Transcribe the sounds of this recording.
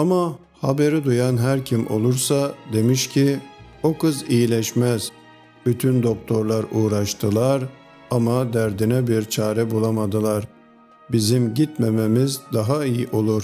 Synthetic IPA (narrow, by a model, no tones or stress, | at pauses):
ama | habe̞ɾid̪ujanɦæɾcʰimʔo̞lˠuɾsad̪e̞miʃcʰi | okɯzijilʲɛʃmæz̥ | b̥yt̪ʰynd̪o̞k̚t̪ʰo̞ɾlˠaɾuːɾaʃt̪ʰɯlˠaɾ | amad̪æɾd̪inɛbiɾt͡ʃʰaːɾɛbulˠamad̪ɯlˠaɾ | bizimɟit̪mememizd̪aɦaijiʔo̞lˠuɾ